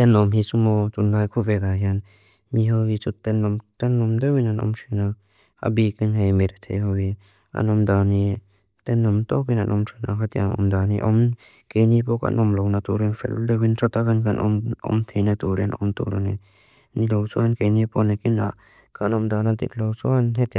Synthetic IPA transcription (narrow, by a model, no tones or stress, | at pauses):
tanɔmɦisumɔt͡sundajkʰuved̪aɦjan | miɦɔhit͡sutːɛnːɔmt̪ɛnːɔmdewinanɔ̰mʃina | a̰bikinɦejmeɾat̪ʰejhɔwhi | a̰nɔmdani | t̪ɛnːɔmt̪ɔk̬inanʔɔmtʰɔnakʰat̪iaɔ̰mdaniʔɔm | kejnipɔka̰nʔɔmlownat̪uɾinfɛ̰ldewintʰɔt̪akankanɔmɔ̰mt̪ʰejnat̪uɾianɔ̰mt̪ṵɾɔni | nilowsuankejnipɔnekina̰ | kanɔmdanat̪ḭklowsuanɦet̪a